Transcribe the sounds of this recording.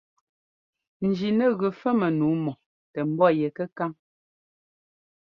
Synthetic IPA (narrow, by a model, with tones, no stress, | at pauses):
n̩˨d͡ʒi˨nɛ˦˨ɣʉ˨fɛ˦mɛ˨nuː˨˦mɔ˨ | tɛ˨m̩˦bɔ˦˨jɛ˨kə˦ka˦m